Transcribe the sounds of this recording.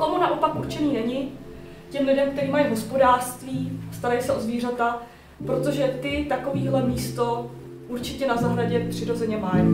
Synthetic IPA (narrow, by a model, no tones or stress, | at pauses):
komunaʔopakʔuɾt͡ʃɛniːnɛɲɪ | cɛmlɪdɛmk̚t̪ɛɾiːmajiɦo̞spo̞daːr̥st̪viːst̪aɾajisɛʔozviːr̝at̪a | pɾo̞t̪o̞ʒɛt̪ɪt̪ako̞viːɦlɛmiːst̪o̞ | ʔuɾt͡ʃɪcɛnazaɦɾaɟɛpr̥ɪɾo̞zɛɲɛmaj